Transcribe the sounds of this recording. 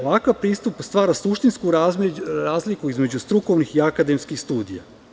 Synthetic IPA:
oʋakaʋpɾiːst̪upst̪ʋaːɾasuʃt̪insku | ɾaːzlikuizme̞d͡ʑust̪ɾuko̞ʋnixiakad̪e̞mskixst̪uːd̪ija̰

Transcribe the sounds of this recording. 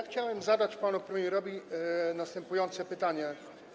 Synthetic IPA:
xt͡ɕawɛmzad̪at͡ɕpanupɾɛmʲjɛɾɔbʲinast̪ɛmpujɔnt̪sɛpɘt̪aɲɛ

